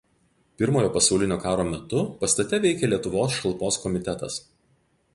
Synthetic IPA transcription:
pʲɪɾmoːjoːpɐsɐʊlʲɪnʲoːkɑːɾoːmʲɛt̪ʊpɐst̪ɐt̪ʲɛʋʲɛɪkʲeːlʲiɛt̪ʊʋoːs̬ʃɐlˠpoːskɔmʲɪt̪ʲɛt̪ɐ̰s

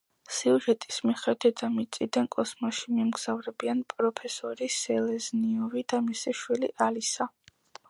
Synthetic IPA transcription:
siuʒɛt̪ʼi̥smiχɛd̪ɛamit̪sʼid̪ankʼɔsmaʃimɛmɡz̥avɾɛbianpʼɾɔpʰɛsɔɾisɛlɛzniɔvid̪̥amisiʃwilḭʔalisa

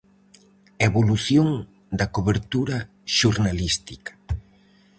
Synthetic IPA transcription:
eβoluθjoŋ | d̪ɐkoβeɾt̪uɾɐ | ʃuɾnalist̪ikɐ̥

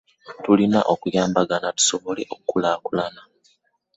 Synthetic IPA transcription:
tulina̰ʔokujaːmbaɡanatu̥soβo̞le̞ʔokkːulaːkulana

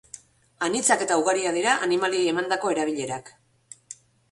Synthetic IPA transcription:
anit͡sake̞t̪auɣaɾiað̞iɾaʔanimaliejemand̪ako̞e̞ɾaβ̞iʎe̞ɾak

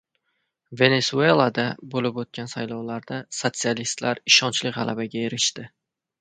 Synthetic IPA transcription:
ve̞ne̞sue̞lˠad̪abolɪpot̪̚kʲansajlɒwlaɾd̪asot̪sialist̪laɾɪʃɒnt͡ʃlɪkʲʁɑlʔabaɡʲaeɾɪʃt̪ɪ

